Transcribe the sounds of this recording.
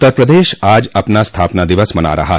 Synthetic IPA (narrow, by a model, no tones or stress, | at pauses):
t̪ːəɾpɾɐd̪eːʃaːd͡ʒɐpnast̪ʰaːpnad̪ɪʋəsmɐna̰ɾɐ̰ɦa̰ː